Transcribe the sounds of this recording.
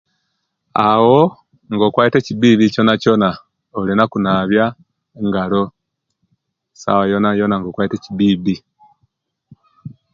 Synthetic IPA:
awo | ŋɡokwaːite̞cibiːβico̞nacona | olinakunaβja | ŋɡalo̞ | sa̰wajonajonaŋɡokwaitecibiːβi

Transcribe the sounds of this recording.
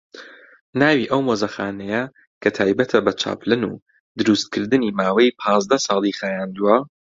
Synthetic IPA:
naːwiʔɐwmozɐxaːnɛjɐ | kʰɐt̪ʰaːjbɐt̪ʰɐbɐt͡ʃʰa̰ːpʰlɨnṵ | d̪ɨɾust̪̚kʰɨɾd̪ɨniːmaːwejpʰɑːzd̪ɐsɑːlˠixaːjaːnd̪uwɐ

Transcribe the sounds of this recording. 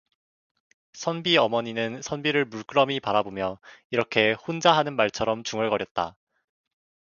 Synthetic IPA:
sʰʌnbiʌmʌɲinɯnsʰʌnbiɾɯɭmuɭk͈ɯɾʌmipaɾabomjʌiɾʌkʰe̞hond͡ʑaɦanɯnmaɭt͡ɕʰʌɾʌmt͡ɕuŋɯɭkʌɾjʌt̚t͈a̰

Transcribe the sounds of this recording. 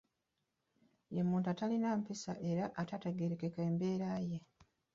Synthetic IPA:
jemuːntuatalinaːmpisaʔe̞ɾaʔatateɡeɾekekeːmbe̞ːɾaːje̞

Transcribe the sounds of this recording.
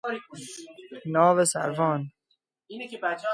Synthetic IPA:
nɒːvesæ̰ɾvɒːn | inekʰebæt͡ʃʰː

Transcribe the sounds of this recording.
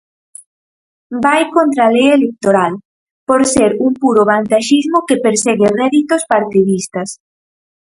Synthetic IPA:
bajkont̪ɾalejelek̚t̪oɾal | poɾseɾuŋpuɾoβant̪aʃizmokepeɾseɣerɛðit̪ospaɾt̪iðist̪ɐs

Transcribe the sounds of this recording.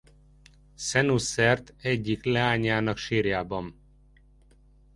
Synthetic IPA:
sɛnusɛrt̪ɛɟːiklɛaːɲaːnɒkʃiːrjaːbɒm

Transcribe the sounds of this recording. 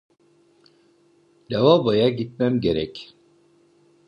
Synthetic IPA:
davabajaɟit̪̚mæmɟe̞ɾɛc

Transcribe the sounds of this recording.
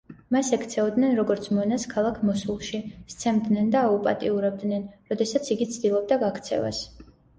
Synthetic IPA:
masɛkʰt̪sʰɛɔd̪nɛnɾɔɡɔɾt̪sʰmɔnaskʰalˠakʰmɔsulˠʃist̪sʰɛmd̪nɛnd̪aːupʼat̪ʼiuɾɛb̚d̪nɛnɾɔd̪ɛsat̪sʰiɡit̪sʰd̪ilˠɔb̚d̪aɡakʰt̪sʰɛ̰va̰s

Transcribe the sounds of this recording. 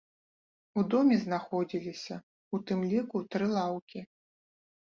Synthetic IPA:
ud̪ɔmʲɛznaxɔd͡zʲilʲisʲɐ | ut̪ɨmlʲikut̪ɾɨlˠawkʲi

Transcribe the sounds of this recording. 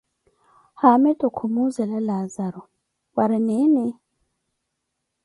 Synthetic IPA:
hamɛtʼɔkʰumuzɛlalazaɾɔ | waɾɪnenɪ

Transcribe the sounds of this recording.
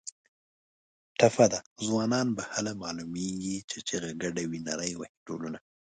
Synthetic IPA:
ʈafad̪azwɑnɑnbahalamɑlumeɡit͡ʃet͡ʃeɣaɡaɖawinaɾəjwahiʈo̰luna

